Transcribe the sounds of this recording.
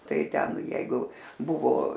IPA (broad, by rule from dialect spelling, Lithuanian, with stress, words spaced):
ˈtɐɪ ˈtʲɛn ˈjɛɪɡʊ ˈbʊʋoː